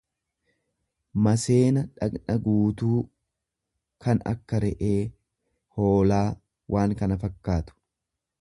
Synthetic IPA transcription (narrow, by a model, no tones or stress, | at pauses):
mɐse̞ːnɐᶑɐknɐɡuːt̪uː | kɐnɐ̰kːɐɾɛʔe̞ː | ho̞ːlaː | wʔaːŋkɐnɐfɐkːaːt̪ʊ̥